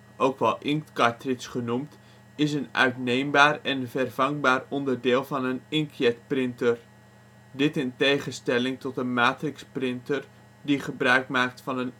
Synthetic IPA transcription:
ʔowkʋɛlˠʔɪŋtkɑɹtrɪsχənumt | ɪsənœ̰ɥtnejmbaːrɛnvɛrv̥ɑŋbaːrɔndərdɪːlˠvɑnənɪŋkjɛtprɪntər | dɪtɪntejχənstɛlɪŋtɔtəmaːtrɪksprɪntər | diχəbrœɥkmaːk̚tfɑnən

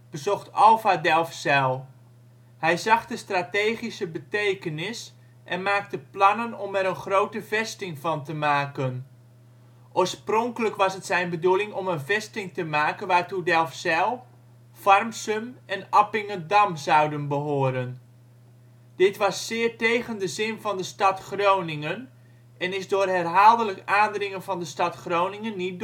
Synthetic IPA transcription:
b̥əzɔxtʰɔlˠfadɛlˠfsɛlˠ | hɛjzɑχdəstrateːχisəbətejkənɪs | ʔɛnmaːk̚təplɑnənɔmɛɾənχrowtəvɛstɪŋvɑntəmaːkən | ʔoːɹsprɔŋkələkʋɑsɦətsɛjnbədulˠɪŋɔmənvɛstɪŋtəmaːkənʋaːrtudɛlˠfsɛlˠ | fɑrmsəmɛnapɪŋədɑmzɑwdənbəɦʊːəɾən | d̥ɪtʋɑsːɪːrtejɣəndəzɪnvɑndəstɑtχrownɪŋən | ɛnɪsdʊːrɦɛrɦaːlˠdələkaːndrɪŋənvɑndəstɑtχrownɪŋənːit̚d

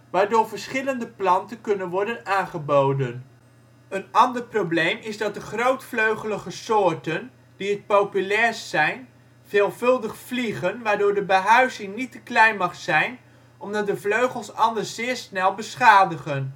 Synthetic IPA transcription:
ʋaːɹdʊːɹvəɹsχɪləndəplɑntənkɵnənʋɔɹdənaːnχəbowdən | ənɑndəɹprowblejmɪzdɑt̚dəχrowtfløɥχələχəsʊːɹtən | d̥iət̚powpylɛːɹssɛjn | v̥eːlˠvɵlˠdəχfliχənʋaːɹdʊːɹdəbəɦœɥzɪŋnitəklɛjnmɑχsɛjn | ɔmdɑt̚dəvløɥχəlˠsɑndəszɪːɹsnɛlˠbəsχaːdəχən

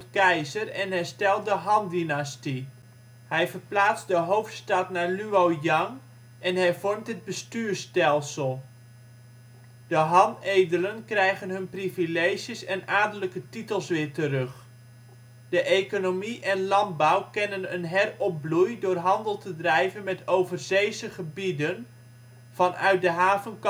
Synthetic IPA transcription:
tkɛjzərɛnɦɛstɛlˠdəɦɑndinasti | hɛjvərplaːt͡sdəɦowftstɑtnaɹlyowjɑŋ | ɛnɦɛjvɔɹmtəd̚bəstyːrstɛlˠsəlˠ | d̥əɦɑnejdələnkrɛjχənɦɵnprivilejʒjəsɛnaːɹdələkətitəlˠsʋɪːɹtərɵχ | d̥əʔejkonomiʔɛnlɑnd̚bɔwkɛnənənɦɛrɔp̚blujdʊːrɦɑndəlˠtədrɛjvənmɛtowvərzejzəχəbidən | v̥ɑnœ̰ɥt̚dəɦaːvənk

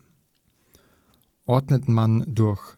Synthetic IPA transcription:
ʔɔːd̪nət̪mand̪ʊɐx

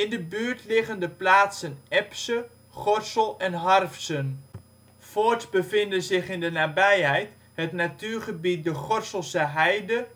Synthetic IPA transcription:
ɪndəbyːɹtlɪχəndəplaːtsənɛpsə | χɔɹsəlˠɛnɦɑrfsən | fotbəvɪndənzɪχɪndənaːbɛjɦɛjt | hətnatyːɹχəbit̚dəχɔrsəlˠsəɦɛjdə

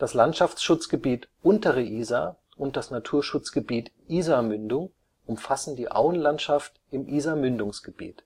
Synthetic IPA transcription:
d̥aslantʃaft͡sʃʊt͡sɡ̥əbiːtʔʊntəʁəʔiːza | ʔʊnt̚d̥asnatʰuːɐʃʊt͡sɡ̥əbiːtʔiːzamʏndʊŋ | ʔʊmfasn̩diːʔa̰ʊənlantʃaft | ɪmʔiːzamʏndʊŋsɡ̥əbḭːt

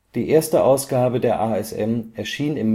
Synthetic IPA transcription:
d̥iːʔeːɐstəʔaʊsɡ̥aːbədeːɐʔaːɛsʔɛ̰mɛɐʃiːnɪmː

